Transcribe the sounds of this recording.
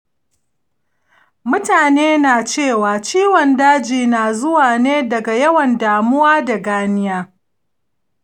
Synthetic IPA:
mʊ˦taː˨neː˦naː˨t͡ʃeː˦˨waː˨t͡ʃiː˦wɔ˨ndaː˦d͡ʒiː˨naː˨zʊ˦waː˨neː˦dɐ˨ɡa˨jɐ˦wɐ˨ndaː˨mʊ˦waː˦da˨ɡaː˦nɪ˦jaː˦

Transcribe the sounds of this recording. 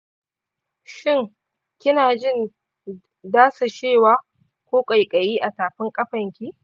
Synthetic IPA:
ʃɪ˦ŋ | kʲɪ˦naː˨d͡ʒɪ˦n | daː˦sa˨ʃeː˦˨waː˦ | kʷoː˦kʼɐ˨jkʼɐ˨jiː˦ʔa˨taː˨ɸɪ˦ŋkʼɐ˦ɸɐ˨ŋkʲi˦

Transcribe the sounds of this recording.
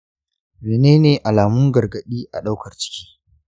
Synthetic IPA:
meː˨neː˦neː˨ʔa˨laː˨mʊ˦ŋɡɐ˨rɡɐ˨ɗiː˦ʔa˨ɗa˦wkʰɐ˨rt͡ʃɪ̥˦kʲiː˦

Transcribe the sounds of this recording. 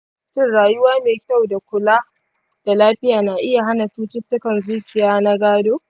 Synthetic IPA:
sɪ˦nɽaː˨jʊ˦waː˦meː˨kʲa˦˨wda˨kʷʊ˨laː˦ | d̥a˨laː˦ɸɪ˦jaː˨naː˨ʔɪ˦ja˨ɦa˦nɐ˨ɸuː˦tɪ˦tːʊ˦kɐ˨nzuː˦kʲɪ˨jaː˦na˦ɡaː˦doː˦

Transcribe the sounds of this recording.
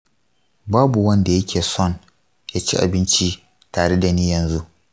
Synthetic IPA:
baː˦bu˨wɐ˦nda˨jɐ˦kʲʰeː˨sɔ˦˨n | jaː˦t͡ʃḭ˦ʔa̰˨bɪ˦nt͡ʃi˦ | taː˨ɽe˦da˨niː˦jɐ˨nzu˦ʔ

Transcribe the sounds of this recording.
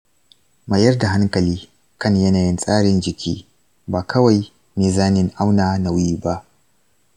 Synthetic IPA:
ma˨jɐ˦rda˨ɦa˦ŋkɐ˨liː˦ | kɐ˦ɲjɐ˦naː˨jɪ˦nsʼaː˦ɽɪ˨nd͡ʒɪ˨kʲḭː˦ | baː˨kʰɐ˦wa˨j | meː˨zaː˦nɪ˨ŋʔa˦wnaː˨na˨wiː˦ba˦ʔ

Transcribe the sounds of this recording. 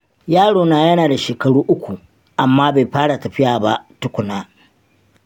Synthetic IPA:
jaː˦ɽoː˨naː˨jɐ˦naː˨da˨ʃeː˨kɐ˨ɽuː˦ʔʊ˦kʷu˨ | ʔa˨mːaː˦ba˨jɸaː˦ɽa˨tɐ˨ɸɪ˦jaː˨ba˦tʊ˦kʷʊ˨naː˦

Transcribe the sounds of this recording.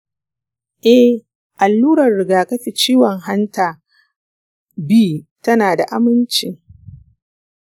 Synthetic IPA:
ʔɛ˦h | ʔa˨lːuː˦ɾɐ˨rɽɪ˨ɡaː˨kɐ˦ɸi˨t͡ʃiː˦wɔ˨ŋɦa˦ntaː˨ | biː˦tɐ˦naː˨da˨ʔa˦mɪ˦nt͡ʃɪ˨ŋ

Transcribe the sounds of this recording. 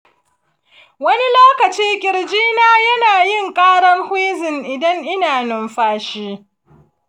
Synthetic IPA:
wɐ˦ni˦loː˦kɐ˨t͡ʃiː˦kʲɪ˨ɽd͡ʒiː˦naː˦jɐ˦naː˨jɪ˦˨ŋkʼaː˦ɽɐ˦rhiː˦zɪ˨ŋʔɪ˨dɐ˦ŋʔɪ˦naː˨nʊ˨mɸaː˦ʃiː˦

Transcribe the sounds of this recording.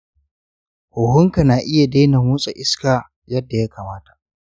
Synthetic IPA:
hʊ˨hʊ˦ŋka˨naː˨ʔɪ˦ja˨de˦na˨mʊː˦sʼa˨ʔɪ˦skaː˨ | jɐ˦dːa˨jaː˦kaː˨maː˦tḁ˨ʔ

